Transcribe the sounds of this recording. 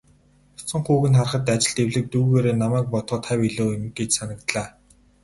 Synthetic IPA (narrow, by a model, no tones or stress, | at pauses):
ɔ̥sɞ̆ɴχuːɣɘ̆nχarχə̆t̪at͡ɕɪ̆ɮt̪ewɮɘ̆k̚t̪uːɣeːɾeːnamæːk̚pɔt̪χə̆ːt̪ʰæwiɮoːmɡet͡ɕsanə̆k̚t̪ɮaː